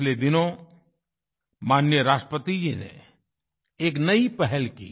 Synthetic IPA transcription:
led̪ɪnõ | maːnjəɾaːsʃʈəpət̪id͡ʒinḛ | eːknɐipɛɦɛlkḭː

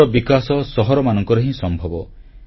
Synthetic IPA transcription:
ɔbikasɔsɔɦɔɾɔmanɔŋkɔɾɔɦĩsɔmbʱɔbɔ

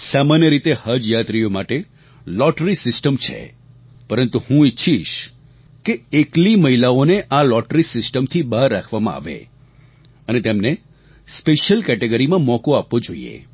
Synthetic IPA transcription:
samanjəɾit̪ehad͡ʒjat̪ɾijomaʈe | lɔʈɾisɪsʈəmt͡ʃʰḛ | pəɾənt̪uhũɪtːʃʰiʃ | keekliməilaoneʔalɔʈɾisɪsʈəmt̪ʰibaɾːakʰʋamã̰a̰ʋḛ | ənet̪emne | speʃəlkɛʈeɡəɾimãmɔkoapʋõd͡ʒo̰ḭḛ

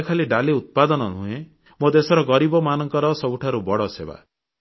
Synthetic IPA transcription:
kʰaliɖaliut̪̚pad̪ɔnɔnũẽ | mod̪esɔɾɔɡɔɾibɔmanɔŋkɔɾɔsɔbuʈʰaɾubɔɽɔseba̰

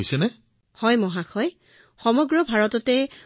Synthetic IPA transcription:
jsɛnɛ | hɔjmɔɦaxʰɔj | xɔmɔɡɹɔbʱaɹɔtɔtɛ

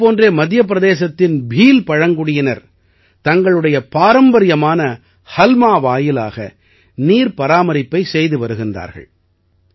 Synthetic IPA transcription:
poːndreːmɐd̪jɐp̬ːɪɾɐðeːsɐt̪ːɪnbʱiːlpɐɻɐŋɡɯɽɪjɐnɐɾ | t̪ɐŋɡɐɭɯɽɐjɐpaːɾɐmbɐɾɪjɐmaːnɐ | hɐlmaːʋaːjɪla̰ːɣɐ̰ | niːɾpɐɾaːmɐɾɪpːɐɪsɛjðɯʋɐɾɯɣɪnda̰ːɾɣɐ̰ɭ

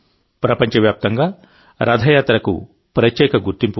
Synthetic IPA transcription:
pɾɐpɐɲt͡ʃɐʋjaːp̚t̪ɐŋɡaː | ɾʔɐd̪ʱɐjaːt̪ɾɐkṵ | pɾɐtjɛːkɐɡuɾt̪impu

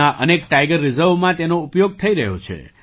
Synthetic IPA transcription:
aʔənekʈajɡəɾːɪzəɾʋmãt̪enoupjoɡ̚t̪ʰəiɾəɦjo̰t͡ʃʰḛ

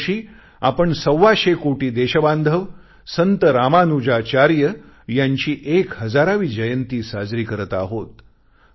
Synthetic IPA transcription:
ɕiː | a̰pəɳsəwːaɕekoʈiːd̪eɕəband̪ʱəʋ | sənt̪əɾamanud͡ʑat͡ɕaɾjə | jaɲt͡ɕiːʔekɦəd͡zaɾaʋiːd͡ʑəjənt̪iːsad͡zɾiːkəɾət̪a̰ɦot̪

